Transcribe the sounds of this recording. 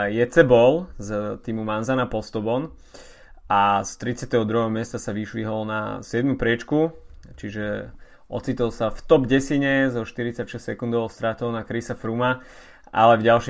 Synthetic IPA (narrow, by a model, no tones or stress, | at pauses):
jɛt͡sɛbɔlzt̪imumanzanapɔst̪ɔbɔn | ast̪ɾit͡sɪat̪ɛɦɔd̪ɾuɦɛɦɔmɪɛst̪asaʋiʃʋiɦɔlna̰sɪɛd̪mupɾɪɛt͡ʃkut͡ʃiʒɛ | ʔɔ̰t͡siːt̪ɔlˠsaft̪ɔbɟɛsiɲɛzɔʃt̪iɾit͡sacʃɛssɛkund̪ɔʊst̪ɾat̪ɔʊnakɾisafɾuma | ʔa̰lɛvɟalˠʃ